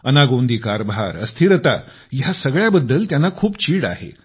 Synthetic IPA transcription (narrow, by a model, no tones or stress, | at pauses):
ənaɡond̪ʱiːkaɾbʱa̰ɾə̰st̪ʰiɾət̪a | jasəɡɭjabəd̪ːəlt̪janːakʰuːpt͡ɕiːɽa̰ɦḛ